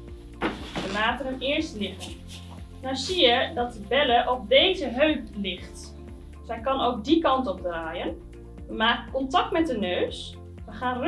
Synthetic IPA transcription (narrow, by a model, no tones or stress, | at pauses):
ʋəmaːtənəmɪəɹstlɪχən | nawsiədɑt̚dəbɛləʔɔp̚dejzəɦøɥklɪχt | sɛjkɑnowk̚dikɑntɔp̚draːjən | əmaːkəkɔntɑk̚tmɛt̚dənøːs | ʋəχaːnr